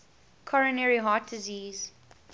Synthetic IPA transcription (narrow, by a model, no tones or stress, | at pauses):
kʰɔɹə̃nɛɹiɦɑt̚d̥ɪziːz̥